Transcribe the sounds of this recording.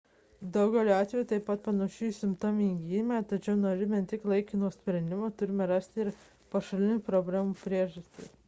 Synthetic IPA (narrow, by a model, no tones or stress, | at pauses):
d̪ɐʊɡʲɛːlʲɑːt̪ʲʋʲɛjuːt̪ɐɪpːɐt̪̚pɐnɐʃʲujsʲɪmt̪oːmʲɪŋɡʲiːmʲɛːt̪ɐt͡ʃʲɛʊnoːɾʲɪmʲɛnt̪ʲɪklˠɐɪkʲɪnoːsʲpʲɾʲɛnʲd̪ʲɪmoːt̪ʊɾʲɪmʲɛɾɑsʲt̪ʲɪɾ | pɐʃɐlʲɪnʲʊpɾoːbʲlʲæːmupʲɾʲiɛʒɐsʲt̪ʲɪ̰